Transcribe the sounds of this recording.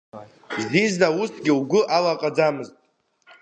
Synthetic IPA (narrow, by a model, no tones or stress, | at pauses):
zdiznaustʰɡʲɪuɡʷʊʔalaqʼad͡zamɨztʼ